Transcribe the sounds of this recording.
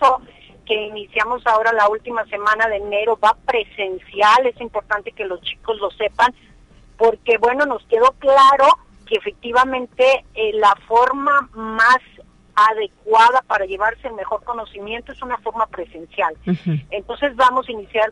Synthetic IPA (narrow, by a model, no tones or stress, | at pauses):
to | ke̞inisjamo̞sao̞ɾalault̪imase̞mãnaðe̞ne̞ɾo̞βapɾe̞se̞nsjale̞simpo̞ɾt̪ant̪e̞̥ke̞lo̞st͡ʃi̥ko̞zlo̞se̞pan | po̞ɾke̞βweno̞no̞ske̞ðo̞klaɾo̞ | keːfe̞k̚t̪iβamẽ̞nt̪e̞lafo̞ɾmamas | aðe̞kwað̞apaɾaʝe̞β̞aɾse̞ːlme̞xo̞ɾko̞no̞simje̞nt̪oe̞sunafo̞ɾmapɾe̞se̞nsjalent̪o̞nse̞zβamo̞sainisjaɾ